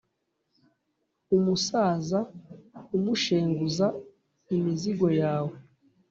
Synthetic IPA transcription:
umusaːzaumuʃeːŋɡuza | imiziɡo̞jaːwe

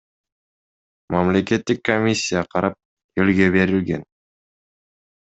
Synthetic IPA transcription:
mamlʲe̞ke̞t̪ːikːomʲisʲːijaqʰɑɾɑp̚ | elɡe̞be̞ɾilɡe̞̰n

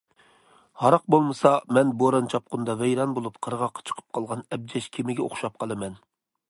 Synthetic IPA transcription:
hɑɾɑq̚bolˠmɨsɑmɛnboɾɑnt͡ʃʰɑp̚qʰʊnd̪ɑvɛjɾɑnbolˠupqʰəɾʁɑqʰːɑ̥t͡ʃʰə̥qʰə̥p̚qʰɑlˠʁɑnɛb̚d͡ʒɛʃkʲʰemɪɡʲɛo̰χʃɑp̚qʰɑlˠɨmɛn

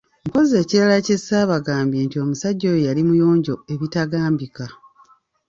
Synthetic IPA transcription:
m̩po̞ze̞ːciɾalacesaːβaɡaːmbje̞ːntio̞musaɟːo̞jojalimujo̞ːɲɟo̞e̞βitaɡaːmbika

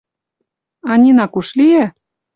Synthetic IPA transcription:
ɑnʲinɑkuʃliæ

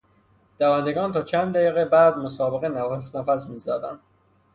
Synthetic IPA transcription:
d̪̥ævænd̪eɡɒːnt̪ʰɒːt͡ʃʰænd̪d̪æjiːɣebæːd̪mosɒːbeɣenæfæsnæfæsmiːzæːd̪ænd̪̥

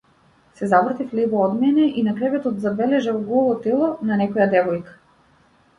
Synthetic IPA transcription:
sɛzavɾat̪iflibɔɔd̪mɛnɛʔinakɾɛvɛt̪ɔt̪zabɛlɛʒɛvɔɡɔvɔt̪ɛlˠɔnanɛkɔjad̪ɛvɔjkḁ

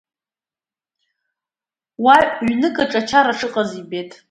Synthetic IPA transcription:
waɥnɨkʼaʈ͡ʂʼat͡ʃʰaɾaʂʰɨqʼazibetʼ

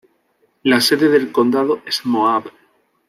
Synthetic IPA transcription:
lase̞ðeðe̞lko̞nd̪aðoezmoaβ

